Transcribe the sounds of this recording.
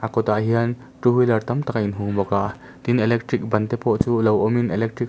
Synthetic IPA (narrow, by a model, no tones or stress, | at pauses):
ʔɐkɔt̪aʔɦiɐn | ʈɾuɦulɐrt̪ɐmt̪ɐkaʔinɦuŋbɔkaʔ | t̪inɛlɛk̚ʈɾik̚bɐnt̪ɛpɔʔt͡suːlɐwɔminʔɛlɛk̚ʈɾik̚